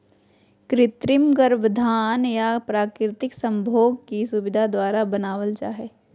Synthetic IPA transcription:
kɾɪt̪ɾɪmɡəɾbd̪ʱaːnjapɾaːkɾɪt̪ɪksə̃mbʱoːɡ̚kisʊbɪd̪ʱad̪waːɾabənaːwəlt͡ʃaːɦeː

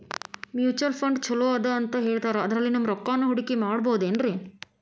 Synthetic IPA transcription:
mjuːt͡ʃɐlpʰɐɳɖt͡ʃʰɐloːɐd̪ɐːnt̪ɐɦeːɭt̪aːɾeɐd̪ɐɾɐlːinɐmːɾɔkːaːnɐɦuɽikimaːɽɐboːd̪eːnɾi

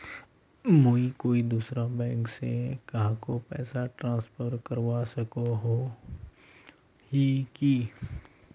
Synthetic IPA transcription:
moːikoːid̪uːsɾabɛ̃ːŋksekɐɦãkopɛːsaʈɾãːspʰəɾkɐɾwasɐkoɦo | hiki

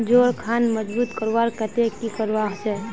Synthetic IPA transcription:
d͡ʒoːɾkʰanməd͡ʒbuːt̪kəɾʋaɾkət̪ekikəɾʋaɦt͡ʃɛ

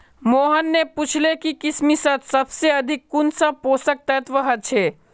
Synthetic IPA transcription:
moːɦənːeput͡ʃʰlekikɪsmisət̪sɐbseɐd̪ʱɪkːunsəposək̚t̪ɛt̪ʋəɦət̪̚t͡ʃʰeː

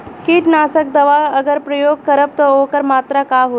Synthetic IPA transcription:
kiːʈnaːsək̚d̪əʋaəɡəɾpɾəjoːɡ̚kəɾəb̚t̪ɔokəɾmaːt̪ɾakaɦo

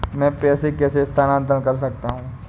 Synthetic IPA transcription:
mɛ̃ːpɛːsekɛːsest̪ʰaːnãːnt̪̬ɾənkɐɾs̬ɐkt̪aɦũː

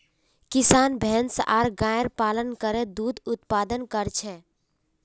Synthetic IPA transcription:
kisaːnbʱɛnsʔaɾɡãəɾpaːlənkəɾed̪ud̪ʊt̪pad̪ənkəɾt͡ʃʰɛ

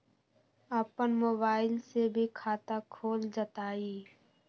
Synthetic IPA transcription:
əːpənmoːbaːɪlsebʱikʰaːt̪akʰoːld͡ʒət̪aːiː

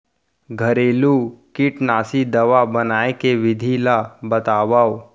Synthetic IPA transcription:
ɡʱɐɾeːlukɪʈnaːsid̪ɐʋabɐnaːekeʋɪd̪ʱilabɐt̪aːʋaːo

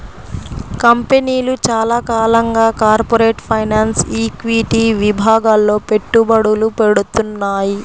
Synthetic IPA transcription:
kɐmpeniːlut͡ʃaːlakaːlɐŋɡaːkaːɾpoɾeːʈpʰɐjnaːnsiːkʋiʈiʋibʱaːɡaːlːo̞ːpe̞ʈːubɐɽulupe̞ɽut̪unːaːji

